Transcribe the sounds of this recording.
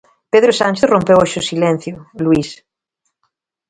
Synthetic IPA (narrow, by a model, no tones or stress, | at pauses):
peðɾosanʲt͡ʃeθrompewaʃosilẽn̟θjoluis